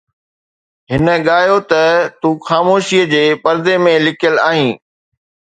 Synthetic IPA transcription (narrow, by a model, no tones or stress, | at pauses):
ɦɪnə̆ɠaːɦjot̪ɐt̪uːxaːmoːʃiəd͡ʑeːpɐɾd̪emẽlɪkʰijəlaːɦĩː